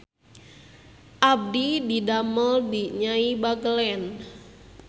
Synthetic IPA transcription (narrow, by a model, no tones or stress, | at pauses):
ʔab̚dididaməldiɲaibaɡəlɛn